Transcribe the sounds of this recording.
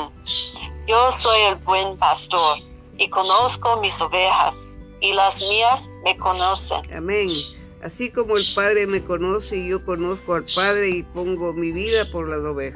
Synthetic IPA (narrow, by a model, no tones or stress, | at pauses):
josojelbwenpast̪oɾ | ikonoskomisoβexa̰s | ilasmiasmekonosḛna̰mẽŋ | a̰siko̞moelpaðɾeme̞konoseiʝokonoskoalpaðɾe̞ipoŋɡomiβiðapoɾlasoβexa